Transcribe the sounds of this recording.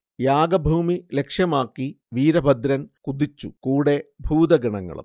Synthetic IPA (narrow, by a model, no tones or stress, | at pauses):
jaːɡɐbʱuːmile̞kʂjɐmaːkːi | ʋiːɾɐbʱɐd̪ɾɐnkud̪it͡ɕːṵkuːɽe̞bʱuːd̪ɐɡiɳɐŋːɐ̰ɭṵm